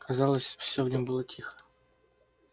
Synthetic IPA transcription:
kʰazɑlˠəsʲfsʲovnʲombɨlˠətʲʰixə̥

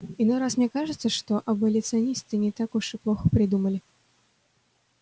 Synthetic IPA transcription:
ɪnɔjɾasmnʲɛkaʐɨt̪səʂt̪ɔʔɐbɐlʲɪt̪sɨɐnʲist̪ɨnʲɪt̪akuʂɨplˠɔxəpɾʲɪd̪uməlʲɪ

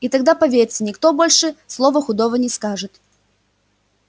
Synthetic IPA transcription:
it̪ɐɡd̪apɐvʲeɾʲɪt̪sənʲɪkt̪obolʲʂɨslˠovəxʊd̪ovənʲɪskaʐɨt̪

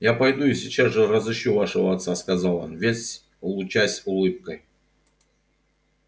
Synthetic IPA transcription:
japɐjd̪uisʲɪt͡ɕazʐɨrəzɨɕːuvaʂəvəɐt̪saskɐzalˠo̰nvʲesʲ | ʊlˠʊt͡ɕasʲʊlˠɨp̚kəj

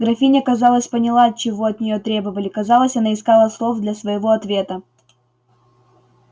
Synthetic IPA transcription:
ɡɾɐfʲinʲɪkɐzɑlˠəsʲpənʲɪlˠat͡ɕɪvo̞ɐt̪nʲɪjo̞t̪ɾʲe̞bəvəlʲɪkɐzɑlˠəsʲɐnaɪskɑlˠəslˠofd̪lʲɐsvəɪvo̞ɐt̪vʲe̞t̪ə

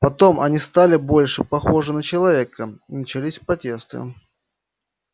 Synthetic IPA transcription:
pɐt̪o̞mɐnʲist̪alʲɪbo̞lʲʂɨpɐxo̞ʐɨnət͡ɕɪlˠɐvʲe̞kəinət͡ɕɪlʲisʲpɾɐtʲe̞st̪ɨ̰

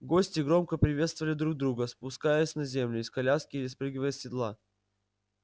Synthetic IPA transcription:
ɡo̞sʲtʲɪɡɾo̞mkəpɾʲɪvʲe̞t̪st̪vəvəlʲɪd̪ɾuɡ̚d̪ɾuɡəspʊskajəsʲnɐzʲe̞mlʲʊɪskɐlʲaskʲɪɪspɾɨɡʲɪvəjəsʲɪd̪lˠa

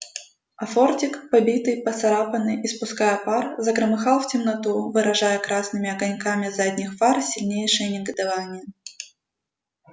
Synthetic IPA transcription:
ɐfortʲɪkpɐbʲit̪ɨjpət̪sɐɾapənɨjispʊskajəparzəɡɾəmɨxɑlˠftʲɪmnɐt̪uvɨɾɐʐajəkɾasnɨmʲɪɐɡɐnʲkamʲɪzadʲnʲɪxvarsʲɪlʲnʲejʂɨjənʲɪɡəd̪avanʲɪjə

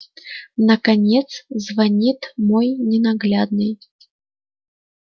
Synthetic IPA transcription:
nɐkanʲɛt̪szvanʲit̪mɔjnʲɛnaɣlʲad̪̚nɨj

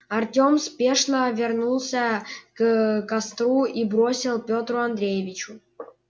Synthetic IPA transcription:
ɐrtʲomspʲeʂnəvʲɪrnulˠsʲəkkast̪ɾuibɾosʲɪlˠpʲot̪ɾʊɐnd̪ɾʲejɪvʲɪt͡ɕʊ

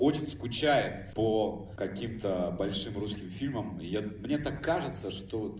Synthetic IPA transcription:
ot͡ɕɪnʲskʊt͡ɕajɪpo | kɐkʲimt̪əbɐlʲʂɨmruskʲɪmfʲilʲməmjamnʲe̞t̪akːaʐɨt̪səʂt̪o

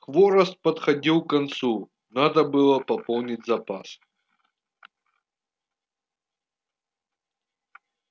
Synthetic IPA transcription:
xvoɾəst̪̚pɐt̪xɐdʲilˠkɐnt̪su | nad̪əbɨlˠəpɐpolˠnʲɪtʲzɐpas

